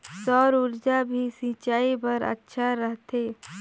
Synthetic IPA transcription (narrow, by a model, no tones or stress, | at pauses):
sɔːɾuɾd͡ʒabʱisĩːt͡ʃaːibəɾə̰tːʃʰaɾəɦt̪ʰeː